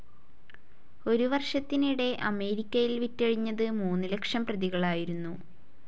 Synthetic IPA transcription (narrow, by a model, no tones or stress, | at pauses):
o̞ɾuʋɐrʂɐt̪ːiniɽe̞ʔɐme̞ːɾikʲːɐjilʋitːɐɻiɲːɐðɨmuːnːɨle̞kʂɐmprɐðiɣɐɭaːjiɾunːu